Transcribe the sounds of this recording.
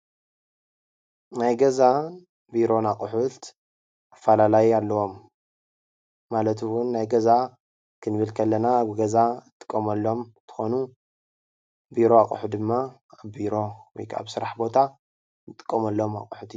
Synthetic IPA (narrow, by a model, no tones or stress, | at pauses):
najɡɐza | biɾo̞nakʼʊħut̪ | afɐlalajialːɐwo̞m | alɐt̪wunːajɡɐza | kʰɨnɨβɨlkʰɐlːɐnaːβɡɐzat̪ʼɨ̥kʼːɐmɐlːo̞mt̪ʰɨ̥xo̞nu | biɾo̞akʼuħud̪ɨmːa | iɾo̞wɔ̰jkʰa̰βsɨɾaħbo̞t̪ʰa | nɨt̪ʼɨ̥kʼːɐmɐlːoma̰kʼuħut̪ʰi